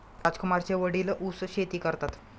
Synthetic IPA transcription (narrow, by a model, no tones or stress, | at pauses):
ɾad͡zkumaɾt͡ɕeʋəɽiːlʔusɕet̪iːkəɾt̪at̪